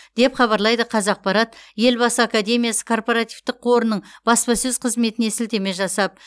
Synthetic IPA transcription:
d̪̥e̞pχɑβɑɾlˠɑjd̪əqʰɑzɑq̚pɑɾɑt̪je̞lbɑsəakad̪e̞mʲijasə̥kʰo̞rpoɾat̪ivt̪ɪq̚ːʰo̞ɾənəɴb̥ɑspɑsɵz̥qʰəzme̞t̪ɪnesɪlt̪e̞me̞ʒɑsɑp̚

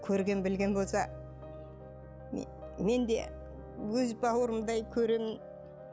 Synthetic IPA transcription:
kʲʰɵɾɡʲe̞nbɪlɡʲe̞nbo̞lˠsɑ | me̞nd̪e̞̰ | wɵzbɑwəɾəmd̪ɑjkʲʰɵɾe̞mɪn

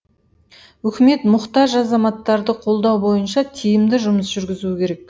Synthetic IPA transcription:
wɵkʲɪme̞t̪mʊχt̪ɑʒɑzɑmɑt̪ːɑɾd̪əqʰo̞lˠd̪ɑwbo̞jənʃɑt̪ʰijɪmd̪ɪʒʊməsʒ̥ʏɾɡʲɪzuɪkʲʰe̞ɾek̚

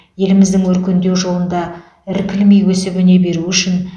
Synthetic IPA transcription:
je̞lɪmɪzd̪ɪŋwɵɾkʲe̞nd̪e̞wʒo̞lˠənd̪ɑ | ɪɾkʲʰɪlmejwɵsɪbɪne̞be̞ɾuʏʃɪn

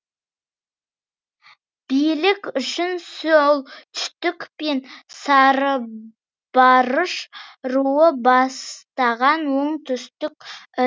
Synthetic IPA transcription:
b̥ijlɪkʲʏʃɪnsolˠt̪ʰʏ̥st̪ʏkpe̞nsɑɾə | b̥ɑɾəʃɾuwəbɑst̪ɑʁɑnwo̞ɴt̪ʰʏst̪ɪkʲ

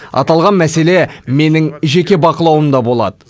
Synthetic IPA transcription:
ɑ̰t̪ɑlˠʁɑnmæse̞le̞me̞nɪŋʒe̞kʲe̞bɑqəlˠɑwəmd̪ɑbo̞lˠɑ̰d̪ə

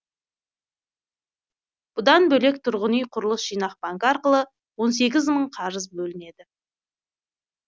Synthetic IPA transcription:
b̥ʊd̪ɑnbɵle̞k̚t̪ʰʊɾʁənijqʰʊɾəlˠəsʒ̥ijnɑq̚bɑŋkɑɾqəlˠə | wo̞ns̬e̞ɡʲɪzməɴqʰɑɾəzbɵlɪne̞d̪ɪ

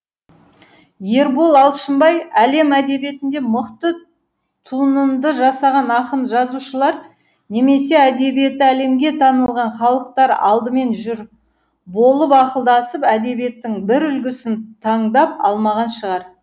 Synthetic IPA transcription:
je̞ɾbolˠɑlˠʃəmbɑjæle̞mæd̪e̞bije̞t̪ɪnd̪e̞məqt̪ə | t̪ʰunənd̪əʒɑsɑʁɑnɑqənʒɑzuʃəlˠɑɾ | ne̞me̞se̞æd̪e̞bije̞t̪ːɪæle̞mɡʲe̞t̪ʰɑnəlˠʁɑnχɑlˠəq̚t̪ɑɾɑ̰lˠd̪əme̞nʒʏɾ | bo̞lˠəpɑqəlˠd̪ɑsəpæd̪e̞bije̞t̪ːɪŋbɪɾʏlɡʲɪsɪnt̪ʰɑɴd̪ɑpɑ̰lˠmɑʁɑnʃəʁɑɾ

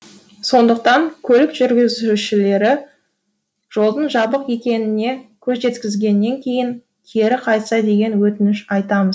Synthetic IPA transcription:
so̞nd̪əq̚t̪ɑŋkʲʰɵlɪkʒ̥ʏɾɡʲɪzuʃɪle̞ɾɪ | ʒ̥o̞lˠd̪əɴʒɑbəqje̞kʲe̞nɪne̞kʲʰɵzʒe̞t̪kʲɪzɡʲe̞nːe̞ŋkʲʰe̞jɪŋ | kʲʰe̞ɾɪqʰɑjt̪sɑd̪e̞ɡʲe̞nwɵt̪ɪnɪʃɑjt̪ɑməz

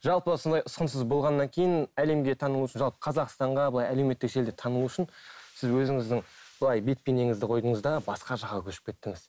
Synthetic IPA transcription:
ʒɑlˠpəwsond̪ɑjʊsqənsəzbo̞lˠʁɑnːɑŋkʲʰe̞jɪnæle̞mɡʲe̞t̪ʰɑnəlˠuʊʃɪnʒɑlˠpə̥qʰɑzɑqst̪ɑɴʁɑbəlˠɑjælewme̞t̪ːɪkʒe̞ld̪et̪ʰɑnəlˠuʊʃɪnsɪzwɵzɪŋɪzd̪ɪŋb̥əlˠɑjbe̞t̪̚pʲeneŋɪzd̪ɪqʰo̞jd̪əɴəzd̪ɑbɑsqɑʒɑqːɑkʲʰɵʃɪ̥pkʲʰe̞t̪ːɪŋɪz̥

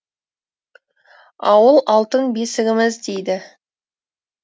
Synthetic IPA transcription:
ɑwəlˠɑlˠt̪əɴbe̞sɪɡʲɪmɪzd̪ejd̪ɪ

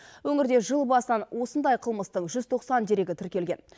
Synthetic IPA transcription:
wɵŋɪɾd̪e̞ʒəlˠbɑsət̪ɑnwʔo̞sənd̪ɑjqʰəlˠməst̪əɴʒʏz̥t̪ʰo̞qsɑnd̪e̞ɾe̞ɡʲɪt̪ʰʏɾkʲe̞lɡʲe̞n

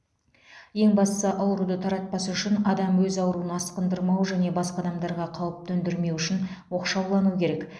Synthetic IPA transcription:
je̞ŋbɑst̪əsəʔɑwɾud̪ət̪ʰɑɾɑt̪̚pɑsʏʃɪnɑd̪ɑmwɵzɑwɾuənɑsqənd̪əɾmɑwʒæne̞bɑsqɑd̪ɑmd̪ɑɾʁɑqʰɑw̪ˠəp̚t̪ʰɵnd̪ɪɾme̞wʏʃɪnwo̞qʃɑwlˠɑnukʲʰe̞ɾek

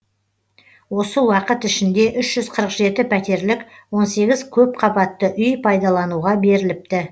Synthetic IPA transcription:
wo̞səwɑqət̪ʏʃɪnd̪e̞ʔʏʃʒ̥ʏzqʰəɾəqʒe̞t̪ɪpʰæt̪e̞ɾlɪkwo̞nse̞ɡʲɪzkʲʰɵp̚qʰɑbɑt̪ːəʔʏjpʰɑjd̪ɑlˠɑnuʁɑbe̞ɾɪlɪp̚t̪ɪ

